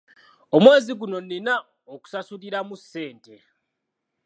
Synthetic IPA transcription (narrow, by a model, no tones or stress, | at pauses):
o̞mwe̞ːziɡuno̞nina | oku̥sasuɾiɾamusːe̞ːnte̞